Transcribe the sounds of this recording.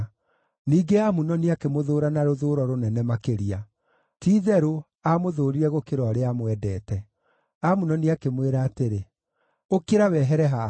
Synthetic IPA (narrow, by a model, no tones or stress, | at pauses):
niːɡeamunɔniakemoðoːɾanaɾoðoːɾɔɾonɛnɛmakeɾia | tiːðɛɾo | amoðoːɾiɾɛɣokeɾwaɾeamwɛdɛːtɛ | amunɔniakemweɾaːteɾe | okeɾawɛɦɛɾɛɦa